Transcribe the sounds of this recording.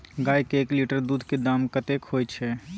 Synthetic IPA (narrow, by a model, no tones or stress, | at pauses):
ɡaːjkeːkliʈəɾd̪uːd̪ʱked̪aːmkət̪ekʰhoːjt͡ʃʰɛ